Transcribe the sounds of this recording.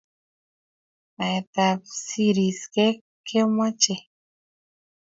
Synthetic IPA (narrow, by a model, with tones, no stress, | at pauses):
a˨et̪apsiɾi˨ske˦ | kʰe˦ma˦t͡ʃe˨